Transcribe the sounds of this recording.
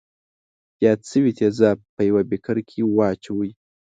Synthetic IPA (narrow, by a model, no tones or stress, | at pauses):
jɑt̪sɨwit̪ʰezapəjawabekʰaɾkʰiwɑt͡ʃawəj